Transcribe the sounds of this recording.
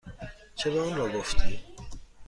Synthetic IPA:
t͡ʃʰebɛunɾɔɡoft̪ʰi

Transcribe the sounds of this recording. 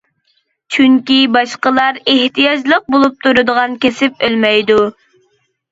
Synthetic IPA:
t͡ʃʰyŋkʲibɑʃqəlˠɑɾeht̪ʰijɑd͡ʒlˠəq̚bolˠup̚t̪ʰuɾɨd̪əʁɑnkʲesɪp̚ølmɛjd̪u

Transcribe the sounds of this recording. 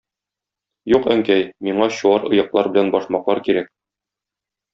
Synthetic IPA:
juqæŋkæjmiɴɑɕuɑɾɤ̆jɤ̆qlˠɑɾbɘ̆lænbɒʃmɑqlˠɑɾkiɾæk̚

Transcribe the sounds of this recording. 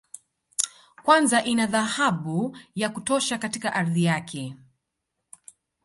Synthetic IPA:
kwanzaʔinaðahaɓujakutɔʃakatikaʔaɾðijakʰɛ

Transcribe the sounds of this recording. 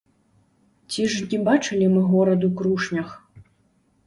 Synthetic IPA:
t͡sʲiʐnʲibat͡ʂɨlʲimɨɣɔɾɐd̪ukɾuʂnʲɐx

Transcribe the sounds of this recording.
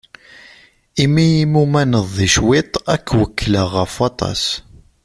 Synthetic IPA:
imijimumænəðˤːiʃwɪt̪ˤækːwəkːləʁəfɑt̪ˤɑ̰s

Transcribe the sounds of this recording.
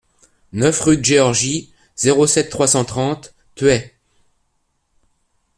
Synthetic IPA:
nœfʁyd̪əʒeɔʁʒi | z̥eʁosɛt̪ːχwasɑ̃t̪χɑ̃t̪ː | ɥɛ

